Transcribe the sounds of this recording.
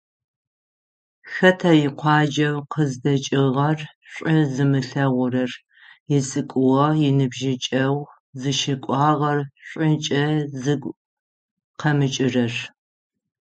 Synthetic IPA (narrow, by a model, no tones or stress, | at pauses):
xɐtʰɐjɪqʷʰɑːd͡ʒɐwqəzdɐt͡ʃʼɪʁɐr | ɕʷʼɪzɨmɨɬɐʁʷʊrɐr | jɪsʼɨkʷʼʊʁɐjɪnɨbʒɪt͡ʃʼɐw | zɨʃɪkʷʼɑːʁɐrɕʷʼɪnt͡ʃʼɐzɨɡʷ | qʰɐmɨt͡ʃʼɪrɐr